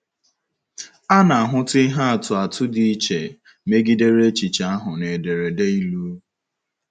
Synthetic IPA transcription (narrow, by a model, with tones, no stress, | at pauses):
a˦na˨a˨ɦʊ˦ti˦i˦ɦa˦a˨tʊ˨a˨tʰʊ˦di˨i˦t͡ʃe˨ | me˦ɡi˦de˦ɾe˦t͡ʃi˨t͡ʃa˨˦a˦ɦʊ˨ne˨de˨ɾe˨de˦i˦lu˦